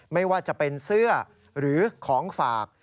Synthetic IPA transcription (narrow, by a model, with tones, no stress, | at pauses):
ma˥˩jwaː˥˩t͡ɕa˨˩pe˧nsɯ˥˩ɐ | ɾɯː˩˦kʰɔː˩˦ŋfaː˨˩k̚